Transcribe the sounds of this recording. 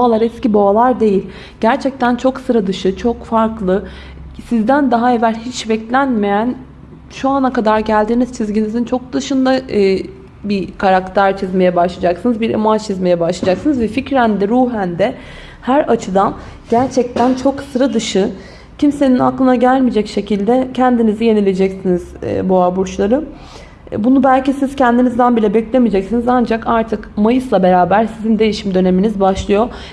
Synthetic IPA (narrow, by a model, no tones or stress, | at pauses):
boalˠaɾɛsciboalˠaɾd̪e̞jilʲ | ɟæɾt͡ʃʰɛc̚t̪ʰænt͡ʃʰoksɯɾad̪ɯʃɯt͡ʃʰo̞kfaɾklˠɯ | sizd̪ænd̪aɦae̞vælʲhit͡ʃbɛclʲænme̞jæn | ʃuanakad̪aɾɟælʲd̪iːniz̥t͡ʃʰizɟinizint͡ʃʰo̞k̚d̪ɯʃɯnd̪a | bikʰaɾakt̪ʰæɾt͡ʃʰizme̞jɛbaʃlˠad͡ʒaksɯnɯzbiɾḛmant͡ʃʰizme̞jɛbaʃlˠad͡ʒaksɯnɯzvɛficɾænd̪ɛɾuːɦænd̪ɛ | hæɾat͡ʃʰɯd̪an | ɟ̥æɾt͡ʃʰɛc̚t̪ʰænt͡ʃʰo̞ksɯɾad̪ɯʃɯ | cʰimse̞ninaklˠɯnaɟælʲmid͡ʒɛcʃe̞cʰilʲd̪ɛcʰɛnd̪inizije̞nilʲed͡ʒɛcsiniz̥̰buabuɾt͡ʃlˠaɾɯ | bunubælʲcisiz̥cʰɛnd̪inizd̪ænbilʲɛbɛclʲe̞mid͡ʒɛcsinizand͡ʒakaɾt̪ʰɯkmajɯslˠabe̞ɾaːbæɾsizind̪e̞jiʃimd̪ø̞ne̞minizbaʃlˠɯjo̞